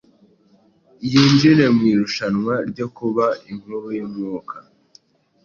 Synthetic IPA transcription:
jiːnd͡ʒiɾe̞mwiːɾuʃanŋwaɾɟo̞kuβaim̥uɾujimŋuːkʰa

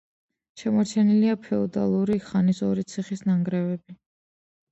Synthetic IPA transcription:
ʃɛmɔɾt͡ʃʰɛniliapʰɛɔd̪a̰lˠuɾiχanisɔɾit̪sʰiχisnaŋɡɾɛvɛbi

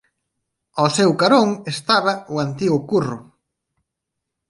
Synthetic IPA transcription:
ɔsewkaɾoŋest̪aβɐʊant̪iɣʊkurʊ

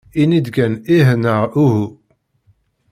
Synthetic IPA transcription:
inid̪ɡæniɦnəʁuɦu

